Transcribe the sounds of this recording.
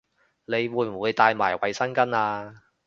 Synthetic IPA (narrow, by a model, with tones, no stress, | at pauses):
ne˨˧jwuː˨˧jm̩˨˩wu˨˧jt̪aː˧jma̰ː˨˩jwɐ˨˧jsɐ˥nkɐ˥naː˧